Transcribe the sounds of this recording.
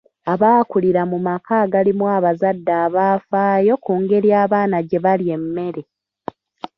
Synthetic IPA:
aβaːkuliɾamumakʰaːɡalimwaːβazadːaːβaːfaːjo̞kuːŋɡe̞ɾjaːβaːnaɟe̞βalje̞mːe̞ɾe̞

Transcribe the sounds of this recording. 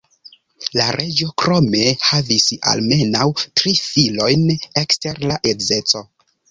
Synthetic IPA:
laɾe̞d͡ʒokɾo̞me̞havisa̰lme̞nawtɾifilo̞jne̞kste̞ɾlaʔeze̞t͡so̞

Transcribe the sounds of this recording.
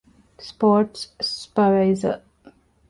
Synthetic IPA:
spɔːʈspaɾaɪzə̰

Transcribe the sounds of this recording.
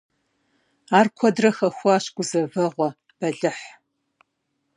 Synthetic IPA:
aːrkʷʰɔdrɐxɐxʷɑːɕɡʷʊzɐvɐʁʷɔ | b̥ɐɮɨħ

